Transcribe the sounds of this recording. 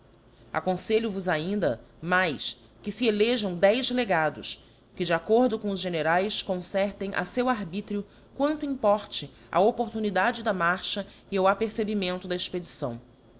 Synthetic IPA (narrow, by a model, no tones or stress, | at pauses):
a̰kõseʎʊvʊzaĩnd̪ɐmajs | kɪsieleʒɐ̃w̃d̪ɛjzleɡad̪ʊ̰s | kɪd͡ʒɪakoɾd̪ʊkõʊzʒeneɾajskõsɛɾt̪ẽj̃ʔa̰sewaɾbit̪ɾiʊ | kwɐ̃nt̪ʊĩmpɔɾt͡ʃɪ | ɐ̰opoɾt̪unid̪ad͡ʒɪd̪ɐmaɾʃɐ | ɪuapeɾsebimẽnt̪ʊd̪ɐesped͡ʒisɐ̰̃w̃